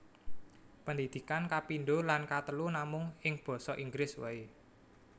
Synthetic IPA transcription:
pənd̪id̪̥i̤kankapinɖolankat̪əlunamʊŋɪŋb̥ɔ̤sɔʔiŋɡɾɪswə̰e

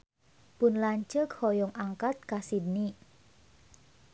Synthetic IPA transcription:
pʊnlaɲt͡ʃəkhɔjɔŋʔaŋkat̪̚kasidni

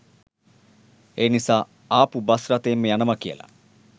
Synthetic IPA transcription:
eːnisaː | aːpubɐsrat̪eːmːəjanɐmɐkijə̰la̰

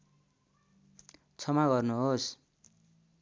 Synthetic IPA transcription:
t͡sʰʌmaɡʌrnuɦos

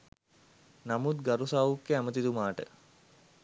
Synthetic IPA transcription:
namut̪ɡaɾusaːʋukːeæmət̪id̪umaːʈə̰

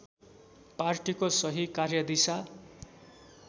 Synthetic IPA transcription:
parʈikosʌɦikarjʌd̪isa

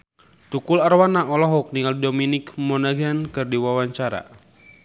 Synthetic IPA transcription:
t̪ukularwanaʔɔlɔɦɔk̚niŋaldominikmɔnaɡankɨrdiwawaɲt͡ʃaɾa̰

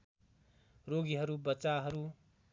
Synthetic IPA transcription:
roɡiɦʌɾubʌt͡saɦʌɾu

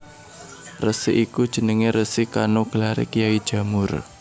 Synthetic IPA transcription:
rəsiʔikud̥ʒ̥ə̤nəŋeɾəsɪkanoɡ̥əlaɾḛkijaid̥ʒ̥ä̤mʊr

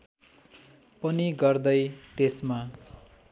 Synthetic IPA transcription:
pʌniɡʌrd̪ʌjt̪esma

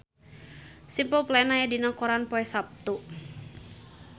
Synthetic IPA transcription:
simpəlplaɛnajadinɔkɔɾanpɔɛsap̚t̪u

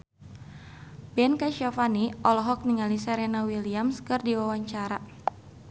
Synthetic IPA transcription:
bɛnkaʃɔfaniʔɔlɔɦɔk̚niŋalisɛɾɛnawiliamskɨrdiwawaɲt͡ʃaɾa

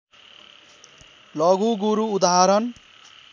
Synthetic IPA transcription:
lʌɡuɡuɾuːd̪aɦaɾʌn

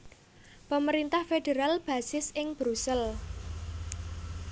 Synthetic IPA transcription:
pəməɾint̪ahfedeɾalb̥ä̤sɪsɪŋb̥ɾusəl

